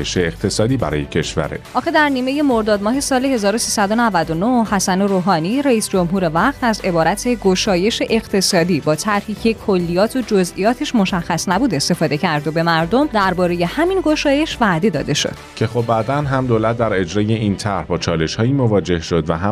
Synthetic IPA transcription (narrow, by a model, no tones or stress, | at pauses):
jeʃeːqt̪ʰe̞sɒːd̪iːbæ̰ɾɒ̰ːjecʰe̞ʃvæ̰ɾḛʔɒːxed̪æɾniːme̞je̞mo̞ɾd̪ɒːd̪mɒːɦe̞sɒːlehe̞zɒːɾosiːsæd̪o̞nævæd̪o̞nohhæsæneɾoːɦɒːniɾeiːsd͡ʒo̞mɦuːɾe̞væqt̪æze̞bɒːɾæt̪ʰe̞ɡo̞ʃɒːje̞ʃe̞ʔeqt̪ʰe̞sɒːd̪iːbɒːt̪ʰæɾhiːcʰekʰolːijɒːt̪ʰod͡ʒozʔḭjɒːt̪ʰeʃmoʃæxːæsnæbuːd̪e̞st̪e̞fɒːd̪e̞cæɾd̪obe̞mæɾd̪omd̪æɾbɒːɾe̞je̞hæminɡo̞ʃɒːje̞ʃvæʔd̪e̞d̪ɒːd̪e̞ʃo̰d̪̥cʰexobːæːd̪ænɦæmd̪olæt̪̚d̪æɾe̞d͡ʒɾɒːje̞int̪ʰæɾhbɒːt͡ʃʰɒːle̞ʃhɒːiːmovɒːd͡ʒe̞hʃod̪væɦæ